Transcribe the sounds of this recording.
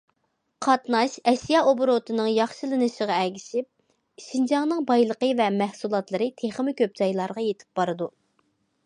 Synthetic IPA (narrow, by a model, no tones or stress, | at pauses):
qʰɑt̪nɑʃɛʃjɑʔobʊɾot̪ʰɨnɨŋjɑχʃɨlˠɨnɨʃəʁɑɛɡʲiʃip̚ | ʃind͡ʒɑŋnɨŋbɑjlˠəqəvɛmæhsulˠɑt̪lˠɨɾɨt̪ʰeχmɪkʲøp̚t͡ʃɑjlˠɑɾʁɑjet̪ʰɪ̥p̚b̥ɑɾɨd̪u